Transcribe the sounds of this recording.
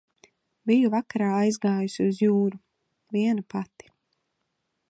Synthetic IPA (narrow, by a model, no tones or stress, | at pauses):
bijuvakaɾaːajzɡaːjusiuzjuːɾu | viɛnupat̪i̥